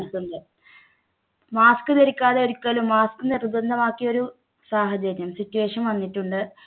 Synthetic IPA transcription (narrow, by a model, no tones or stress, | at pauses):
lt̪ːuɳɖɨ | maːskɨneɾikʲːaːðeoɾukʲːɐlumːaːskɨnerud̪ɐnd̪ɐmaːkːijo̞ɾu | saːɦɐd͡ʑɐɾjɐmsitːuʋe̞ːʂɐnʋɐŋːiʈːuɳɖɨ